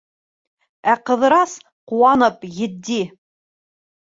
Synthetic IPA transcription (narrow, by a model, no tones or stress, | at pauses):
æqɤ̆ðɤ̆ɾɑs | quwɑnɤpjɘ̆d̪ːi